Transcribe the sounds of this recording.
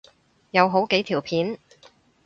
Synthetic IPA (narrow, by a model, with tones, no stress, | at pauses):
jɐ˨˧wɦo˨˥wke˨˥jt̪ʰiː˨˩wpʰiː˨˥n